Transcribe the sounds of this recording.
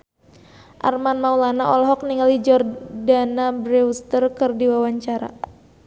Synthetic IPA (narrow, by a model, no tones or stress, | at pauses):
ʔa̰rmanmaulanaʔɔlɔɦɔk̚niŋalid͡ʒɔrdanabɾɛust̪ərkɨrdiwawaɲt͡ʃaɾa̰